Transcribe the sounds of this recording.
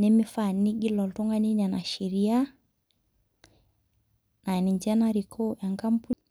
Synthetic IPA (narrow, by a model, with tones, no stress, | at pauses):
ne˦mɪ˦fa˦˨ni˦ɡi˦lɔ˨lto˦ŋɡa˦ni˦na˨na˨ʃi˨ɾi˦a˦ | na˨ni˨ɲd͡ʒɛ˦na˦ɾi˨kʰo˦ja˨ŋka˦mpu˦